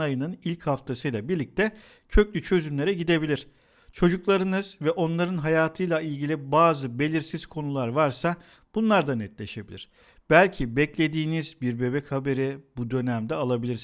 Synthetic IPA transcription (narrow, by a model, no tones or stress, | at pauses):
ajɯnɯnilʲchaft̪ʰasɯjlˠabiɾlʲic̚t̪ʰɛ | cʰø̞clʲyt͡ʃʰø̞zymlʲe̞ɾɛɟid̪e̞bilʲiɾ̥ | t͡ʃʰo̞d͡ʒuklˠaɾɯnɯzvɛʔo̞nlˠaɾɯnɦajaːt̪ʰɯjlˠailʲɟilʲibaːzɯbe̞lʲiɾsiz̥kʰo̞nulˠaɾvaɾsa | b̥unlˠaɾd̪anɛt̪lʲe̞ʃe̞bilʲḭɾ̥ | b̥ælʲcʰibɛclʲe̞d̪iːnizbiɾbe̞bɛchabe̞ɾibud̪ø̞næmd̪ɛalˠabilʲiɾs